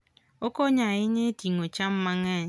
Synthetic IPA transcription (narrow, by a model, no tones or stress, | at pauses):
okoɲaɣiɲetiŋot͡ʃam̩maŋe